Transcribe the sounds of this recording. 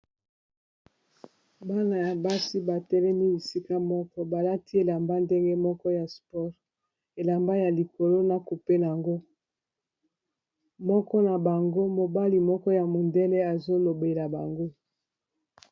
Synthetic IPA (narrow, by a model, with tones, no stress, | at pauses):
ba˦na˨ja˨ba˦si˦ba˨tɛ˦lɛ˦ni˦li˨si˦ka˦mɔ˦kɔ˦ba˨la˦ti˦e˨la˨mba˦nde˦ŋɡe˦mɔ˦kɔ˦ja˨spɔ˦ʁ | e˨la˨mba˦ja˨li˨ko˨lo˦na˨ku˨pe˦n˨a˨ŋɡo˦ | mɔ˦kɔ˦na˨ba˨ŋɡo˦mo˨ba˦li˨mɔ˦kɔ˦ja˨mo˨nde˦lɛ˦a˨zo˦lo˨be˨la˨ba˨ŋɡo˦